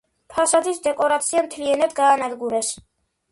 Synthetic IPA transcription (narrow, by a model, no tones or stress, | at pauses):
p̪ʰasad̪isd̪ɛkʼɔɾat̪sʰiamt̪ʰliɛnad̪ɡaːnad̪ɡuɾɛs